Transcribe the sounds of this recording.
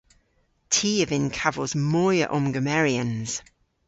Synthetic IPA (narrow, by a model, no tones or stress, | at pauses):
tʰiːəvɪ̃nkʰavəzmɔːjə̰ʔɔ̃mɡəmɛɹiə̃nz̥